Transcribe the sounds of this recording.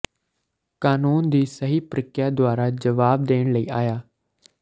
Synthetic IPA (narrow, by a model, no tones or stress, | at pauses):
kaːnuːnd̪iːsəɦiːpɾɪkjaːd̪ʊaːɾad͡ʒəʋaːb̚d̪eːɽ̃ləḭːaːjaː